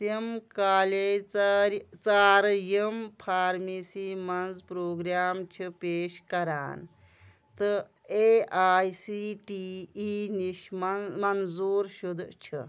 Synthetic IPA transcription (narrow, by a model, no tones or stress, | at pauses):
semkaːle | t͡saːɾjempʰaːɾmisimɐnzpɾoːɡɾjaːmt͡ʃʰipeːʃkɐɾa̰ːn | t̪ɨ | eaːjsiʈiiːniʃmɐmɐnzuːɾʃud̪t͡ʃʰḭ